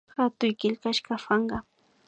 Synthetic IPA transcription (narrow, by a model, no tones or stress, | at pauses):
xat̪ʊjkɪʎkaʃkɑfɑɴɢɑ